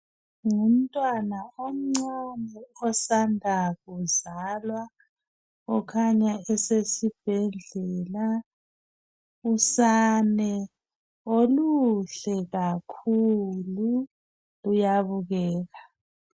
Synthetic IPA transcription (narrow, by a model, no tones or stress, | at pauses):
ŋum̩tʼwanaom̩ŋ͡ǀanɛɔsandʱaɣuzalwa | ɔkʰaɲaɛsesib̥ʱɛnʱɛːla | usanɛ | oluɬɛɣakʰulu | lujaβuɣɛːɣa